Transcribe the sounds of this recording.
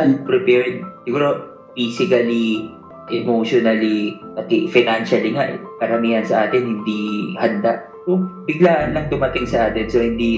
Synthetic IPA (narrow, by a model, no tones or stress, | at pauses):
anpɾɪpɛɹd̪̚sɪɡuːɾo | fiːsɪkɐli | ʔɛmoʃonɐlikɐk̪ɪfɪnanʃɐliŋaʔɛkɐɾɐmiːhɐnsɐʔaːt̪ɪnhɪnd̪ihɐnd̪aʔ | sobɪɡlaːʔɐnːɐŋd̪ʊmɐt̪ɪŋsɐʔaːt̪ɪnsohɪnd̪i